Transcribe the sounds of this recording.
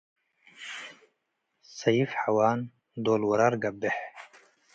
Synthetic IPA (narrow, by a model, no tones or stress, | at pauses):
sajifħawaːn | d̪oːlwɐɾaɾɡabeħ